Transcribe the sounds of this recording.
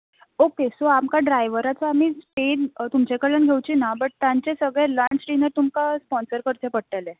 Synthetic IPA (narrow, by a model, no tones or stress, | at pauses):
okesoamkaɖɾajʋəɾat͡sɔamiːspeɖt̪umt͡ɕekəɭəɳɡʱewt͡ɕiːnabəʈ̚t̪jãɲt͡ɕesəɡɭɛ̃laɳt͡ɕʈinəɾt̪umkaspɔnsəɾkəɾt̪epəɽʈ̪elɛ̃